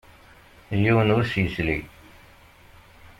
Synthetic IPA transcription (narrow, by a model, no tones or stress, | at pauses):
jiwənʊɾsjəsli